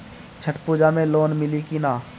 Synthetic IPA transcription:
t͡ʃʰəʈpuːd͡ʒamẽloːnmɪlikinaː

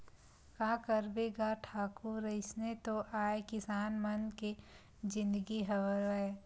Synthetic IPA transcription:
kaːkəɾbeːɡaʈʰaːkuɾɐɪsnet̪oʔaːekɪsaːnmənke | d͡ʒɪ̃nd̪əɡiɦəʋəɾɛ

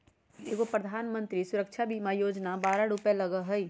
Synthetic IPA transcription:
eːɡopɾəd̪ʱaːnmə̃nt̪ɾisʊɾəkt͡ʃʰabʱimãjoːd͡ʒnabaːɾaɾupeləɡəɦɛi

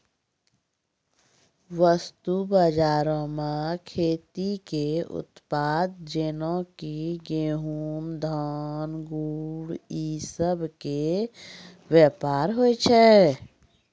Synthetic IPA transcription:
ʋəst̪ubəd͡ʒaːɾõmãkʰeːt̪ikeʊ̰t̪paːd̪̚d͡ʒenõkiɡeɦuːmd̪ʱaːnɡuɽisəbʱke | ʋjəpaːɾɦoet͡ʃʰɛ

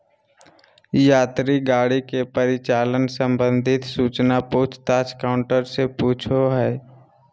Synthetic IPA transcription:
jaːt̪ɾiɡaːɽikepəɾɪt͡ʃaːlənsə̃mbə̃nd̪ʱɪt̪suːt͡ʃnapoːt͡ʃʰt̪aːt͡ʃkaːʊ̃ɳʈəɾsepuːt͡ʃʰoɦɛː

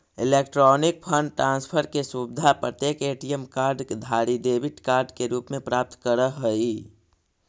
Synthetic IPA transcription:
ɪleːkʈɾɔːnɪk̚pʰə̃ɳɖʈɾãːnspʰəɾkesubɪd̪ʱapɾət̪jeːkeːʈijemkaːɾɖkd̪ʱaːɾid̪eːbɪʈkaːɾɖkeɾuːpmẽpɾaːp̚t̪kəɾəɦəi

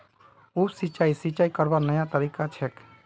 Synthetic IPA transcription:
ubsit͡ʃaːisit͡ʃaːikəɾbanəjat̪əɾikat͡ʃʰɛk

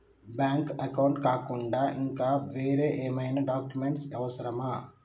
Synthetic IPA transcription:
bjaːŋkɐkɐwɳʈkaːkuɳɖaːʔiŋkaːʋeːɾeːʔeːmɐjnɐɖaːkjumeɳʈsɐʋɐsɐɾɐmaː

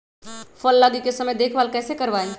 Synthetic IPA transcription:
fɔlːaɡikesɐməjd̪eːkʰʋaːlkɛːsekɐɾʋaːẽ

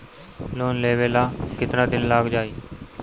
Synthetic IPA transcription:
loːnleːʋeːlaːkɪt̪nãːd̪ɪnlaːɡd͡ʒaːiː

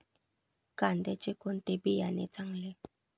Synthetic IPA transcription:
kand̪ɛt͡ʃikun̩t̪ebijanḛt͡saŋle

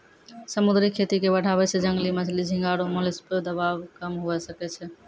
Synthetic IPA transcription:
səmud̪ɾikʰːet̪ikebəɽ̤ʱaβɛt͡ʃʰɛd͡ʒəŋɡlimət͡ʃʰlid͡ʒʱĩŋɡaɽomolesped̪əbabkəmɦoɛsəkɛt͡ʃʰɛ

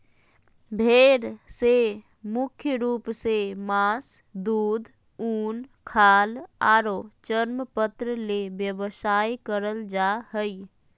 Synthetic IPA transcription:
bʱeɾse | mukʰjəɾupsemasd̪uːd̪ | uːnkʰaːlaɾot͡ʃəɾməpət̪ɾəlebjəbəsajkəɾəld͡ʒaɦəj

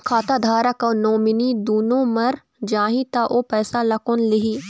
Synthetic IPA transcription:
kʰaːt̪ad̪ʱaːɾəkɐnoːmɪnid̪uːnõːmɐɾ | d͡ʒaːɦĩt̪aʔoːpɛːsalɐkʊnlɪɦiː

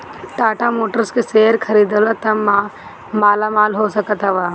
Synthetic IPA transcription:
ʈaːʈamoːʈəɾskeseːɾkʰɐɾiːd̪əlat̪ɐm | maːlamaːlɦoːsəkət̪ɦɐʋaː

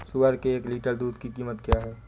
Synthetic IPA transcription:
sʊɡəɾkeeːkliːʈəɾd̪uːd̪kikiːmət̪kjaːɦɛː

